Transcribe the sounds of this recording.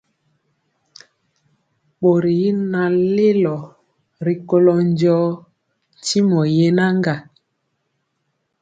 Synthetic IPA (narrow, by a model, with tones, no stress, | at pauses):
ɓo˨ɾi˨˦na˨le˦lɔ˨ | ɾi˨ko˦lɔ˨n˦d͡ʒɔ˦ | n˨ti˦mɔ˨je˦na˦ŋɡa˨